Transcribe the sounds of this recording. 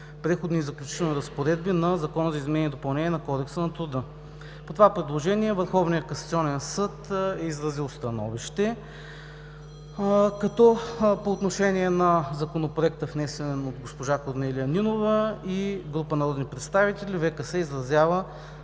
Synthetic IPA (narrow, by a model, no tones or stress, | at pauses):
pɾɛxod̪nizɐklʲut͡ʃi̥t̪ɛlˠniɾɐspoɾɛd̪̚binɐzɐkɔnəzɐizmɛnɛiɛd̪opɐlˠnɛnʲiɛnɐkɔd̪ɛksənɐt̪ɾʊd̪ɤ | pot̪ovapɾɛd̪lˠoʒɛniɛvəɾxɔvnijəkɐsɐt̪siɔnɛənsɤt̪ɛizɾɐzilˠst̪ɐnɔ̰viʃt̪ɛ | kɐt̪ɔpoːt̪noʃɛnʲiɛnɐzɐkonopɾoɛk̚t̪əvnɛsɛnɛnod̪ɡospoʒakoɾnɛlʲijəninovəiɡɾupənɐɾɔd̪nipɾɛt̪st̪avit̪ɛlʲivɛkəsɛizɾɐzʲjavə